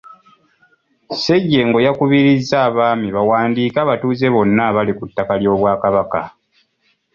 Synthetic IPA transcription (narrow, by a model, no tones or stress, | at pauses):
se̞ɟːe̞ːŋɡo̞jakuβiɾizːaːβaːmiβawaːndiːkaβatuːze̞βo̞nːaβalikutːakaljo̞ːβwaːkaβaka